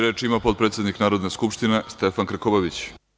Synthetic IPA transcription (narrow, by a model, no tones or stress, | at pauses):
ɾeːt͡ʃimapo̞t̪̚pɾet̪sje̞d̪niknaːɾo̞d̪ne̞skupʃt̪ine̞st̪efankɾ̩kobaʋit͡ɕ